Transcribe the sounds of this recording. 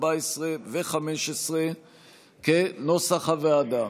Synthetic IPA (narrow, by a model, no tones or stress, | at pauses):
baesʁeveχameʃesʁe | kenosaχavead̪a